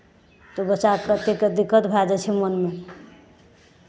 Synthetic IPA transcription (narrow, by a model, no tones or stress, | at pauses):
t̪obət͡ʃakət̪eked̪ikːət̪bʱad͡ʒɛt͡ʃʰimənme